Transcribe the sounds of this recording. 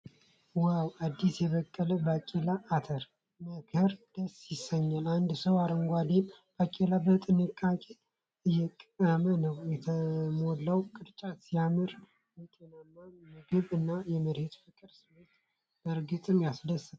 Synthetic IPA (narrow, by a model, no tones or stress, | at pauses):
wawad̪ːisjɛβəkʼːələbakʼelaʔːt̪ʰəɾ | məkʰɨɾd̪̥əsɪsːəɲːaland̪səwaɾəŋɡʷad̪emb̥akʼelabət̪ʼɨnɨkʼːakʼe | ɨjɛkʼəmənəwjɛt̪ʰəmolːawkʼɨd̪t͡ʃʼat̪sijamɨɾ | jɛt̪ʼenamːamɨɡɨβɨnːajɛməɾhet̪fɨkʼɨɾsɨmot̪ | bəɾɡɨt̪ʼɨmjasdəsɨt̪